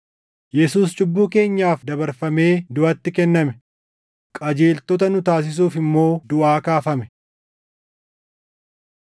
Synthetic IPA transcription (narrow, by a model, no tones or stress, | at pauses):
jɛsuːst͡ʃʼʊbːuːke̞ːɲːaːfd̪ɐbɐɾfɐme̞ːd̪ʊɐt̪ːɪkɛnːɐmɛ | kʼɐd͡ʒe̞ːlt̪ɔt̪ɐnʊt̪aːs̬ɪs̬uːfɪmːo̞ːd̪ʊʔaːkaːfɐmɛ